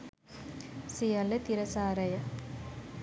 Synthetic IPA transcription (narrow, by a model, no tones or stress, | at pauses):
sijɐlɐt̪iɾɐsaːɾɐjɐ